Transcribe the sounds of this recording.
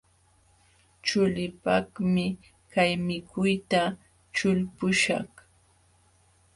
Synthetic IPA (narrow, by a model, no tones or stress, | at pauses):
t͡ʃʊlɪpakmɪ | kajmɪkʊjt̪a | t͡ʃʊlpʊʃa̰χ